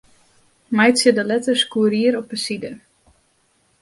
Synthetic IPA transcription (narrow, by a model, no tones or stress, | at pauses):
majtsədəlɛtəskuːəɾiəɾɔpəsidə